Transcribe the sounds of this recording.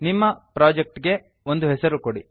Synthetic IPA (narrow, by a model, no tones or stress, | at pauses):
nimːɐpɾaːd͡ʒek̚ʈɡe̞ | ond̪uɦɛsɐɾukoɽi